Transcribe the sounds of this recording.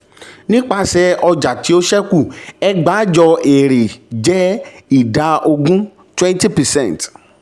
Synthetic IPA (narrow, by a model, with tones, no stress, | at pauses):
nĩ˦k͡pa˦sɛ˧ɔ˧d͡ʒa˨ti˨˦o˦ʃɛ˦ku˦˨ɛ˦ɡ͡ba˨˦d͡ʒɔ˧e˨ɾe˨d͡ʒɛ˦i˦˨da˨˧ʔo˧ɡũ˦ | twɛ̃˦n˦ti˦pɛ˨sɛ̃˦˨t